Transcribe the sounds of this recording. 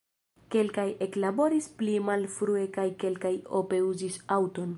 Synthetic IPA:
ke̞lkaje̞klabo̞ɾisplimalfɾue̞kajke̞lkajo̞pe̞uzisawto̞n

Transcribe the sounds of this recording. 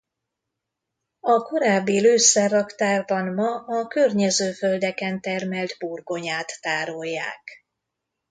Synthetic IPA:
ɒko̞ɾaːbːiløːsːɛrːɒkt̪aːrbɒnmɒʔɒkørɲɛzøːføld̪ɛkɛnt̪ɛrmɛld̪burɡo̞ɲaːt̪ːaːɾojːa̰ːk

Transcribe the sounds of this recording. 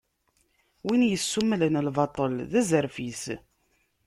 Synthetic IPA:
winjəsːumːlənəlvɑt̪ˤəlðæzəɾfis

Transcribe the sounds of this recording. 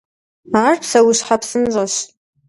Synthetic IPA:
aːrpʰsɐwʊɕħapsɨnʑʼɐɕ

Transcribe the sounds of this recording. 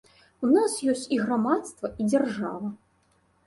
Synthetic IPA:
unasjɔsʲt͡sʲiɣɾamat̪st̪vɐʔid͡zʲarʐavɐ

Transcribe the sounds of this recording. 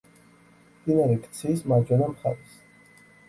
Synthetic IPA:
md̪inaɾikʰt̪sʰismad͡ʒwɛnamχa̰ɾis

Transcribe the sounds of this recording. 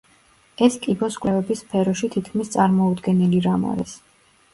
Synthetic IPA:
ɛskʼibɔskʼwlɛvɛbispʰɛɾɔʃit̪ʰit̪ʰkʰmist̪sʼaɾmɔud̪ɡɛniliɾama̰ɾɛs

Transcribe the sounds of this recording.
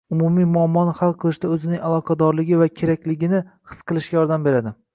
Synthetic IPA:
ʊmumijmʊamːɒnɪhalˠqʰɨlˠɪʃd̪aɵzɪnɪŋʲalˠɒqʰɑd̪ɒɾlɪɡʲɪvakʲʰe̞ɾakʲlɪɡʲɪnɪhɨ̥sqʰɨlˠɪʃkʲajɒɾd̪ambe̞ɾad̪ɪ

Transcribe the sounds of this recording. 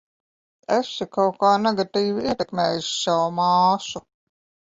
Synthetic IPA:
ɛsikawkaːnɛɡat̪iːviiɛt̪ɛkmɛːjuʃsawmɑːʃu

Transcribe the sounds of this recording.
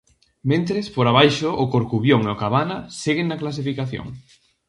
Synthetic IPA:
mẽnt̪ɾespoɾaβ̞ajʃʊʔʊkoɾkuβjoŋeokaβanɐseɣeŋnɐklas̬ifikaθjo̰ŋ

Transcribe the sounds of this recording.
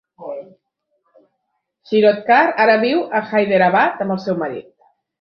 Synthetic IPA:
ʃiɾot̪̚kaɾaɾaβiwaxajðeɾaβat̪aməlˠsewmaɾḭt̪̚

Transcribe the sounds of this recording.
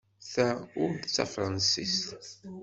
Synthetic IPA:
θæʊɾd̪t͡sːa̰fɾˤɑnsist̪

